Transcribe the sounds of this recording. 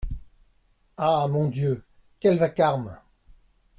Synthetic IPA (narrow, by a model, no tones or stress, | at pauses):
amɔ̃d̪jø | kʲɛlvakaʁm